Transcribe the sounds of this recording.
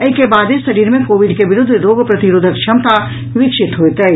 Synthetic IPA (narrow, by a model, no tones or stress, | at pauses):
ɐikebaːd̪esɐɾiːɾmẽkoːʋɪɖkeʋɪɾʊd̪ʱːɾoːɡpɾɐt̪iɾoːd̪ʱək̚t͡ʃʰɐmt̪a | ʋɪkʃɪt̪ɦoet̪ɐ